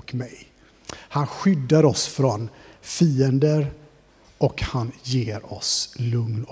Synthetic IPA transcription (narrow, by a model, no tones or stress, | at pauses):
kmɛj | hanɧʏd̪ːaɾɔsfɾɔnfiːənd̪əɾ | ɔkhanjeːɾɔ̰slɵŋn